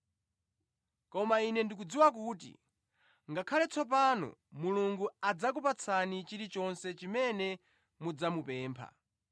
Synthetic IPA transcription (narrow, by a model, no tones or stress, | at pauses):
kɔmainɛndik̬ud͡ziwak̬uːtḭ | ŋɡakʰalɛt͡sʰɔpanɔ̰muluŋɡuad͡zak̬upat͡sʰanit͡ʃiɾit͡ʃɔnsɛt͡ʃimɛnɛ | mud͡zamupɛːmpʰa̰